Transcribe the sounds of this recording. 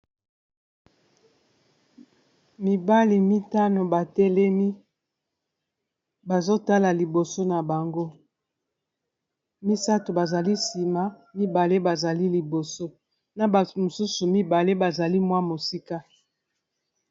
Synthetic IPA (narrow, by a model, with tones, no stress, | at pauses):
mi˨ba˦li˨mi˦ta˦no˨ba˨tɛ˦lɛ˦mi˦ | ba˨zo˦ta˦la˨li˨bo˨so˦na˨ba˨ŋɡo˦ | mi˦sa˦to˨ba˨za˨li˦si˨ma˦ | mi˦ba˨le˦ba˨za˨li˦li˨bo˨so˦ | na˨bmo˨su˦su˨mi˦ba˨le˦ba˨za˨li˦mwa˦mo˨si˦ka˦